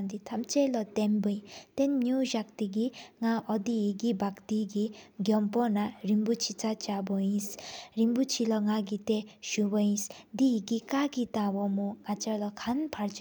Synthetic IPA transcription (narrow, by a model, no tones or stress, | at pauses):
nd̪it̪ʰamt͡ʃelɔt̪embɯj̃t̪enːjuʒakt̪iɡiŋaʔɔd̪iɦiɡibakt̪iɡiɡjɔmpɔnaɾimbut͡ʃʰit͡sat͡ʃabɔĩsɾimbut͡ʃʰilɔŋaɡit̪eʃubʌĩsd̪iɦiɡikaɡit̪abɔmuŋat͡ʃalɔkʰanpʰaɾt͡s